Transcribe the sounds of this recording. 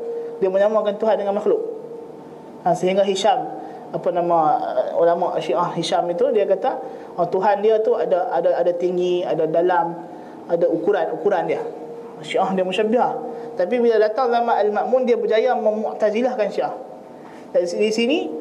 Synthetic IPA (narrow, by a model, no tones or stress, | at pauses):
diaməɲamakant̪uɦandəŋanmaxlʊʔ̚ | asəɦiŋɡaɦiʃam | apanamãṵlamaʔʃiʔahhiʃamit̪udiakat̪a | at̪uɦandiat̪uadaadaadat̪iŋɡiadadalam | adaukuɾanukuɾandia | ʃiʔahdiaməʃabiɦaht̪ap̬ibilalat̪aŋlamaːlmaʔmundiabəd͡ʒajaməmɔʔt̪azilahkanʃiʔah | dasdisini